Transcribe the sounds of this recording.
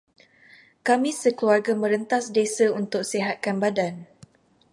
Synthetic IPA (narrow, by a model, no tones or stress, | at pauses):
kamĩsəkəluarɡamə̃ɾənt̪asdesaunt̪ʊk̚seɦat̪̚kanbadan